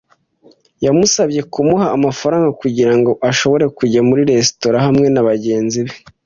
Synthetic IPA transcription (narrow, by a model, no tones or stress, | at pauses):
jamusabje̞kumuhaːmafaɾaːŋɡakuɟiɾaŋɡo̞ʔaʃo̞βo̞ɾe̞kuɟamuɾiɾe̞sto̞ɾahamŋe̞naβaɟe̞ːnziβe̞